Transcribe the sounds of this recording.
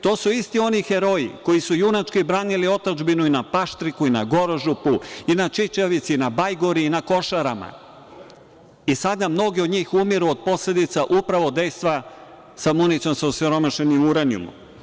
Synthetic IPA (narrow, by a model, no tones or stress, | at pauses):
t̪o̞ːsuist̪io̞nixeɾo̞ḭko̞jisujunat͡ʃkojbɾaːnilio̞t̪ad͡ʒbinuinapaʃt̪ɾikuinaɡo̞ɾoʒupuinat͡ʃit͡ʃaʋit̪sinabajɡoɾiːnako̞ʃaɾama̰ | isad̪namno̞ɡiod̪ɲiːxumiɾuod̪̚po̞sle̞d̪it̪saʔupɾaʋo̞d̪e̞jst̪ʋa | samunit̪o̞msausiɾo̞maʃenimuɾaniṵmṵ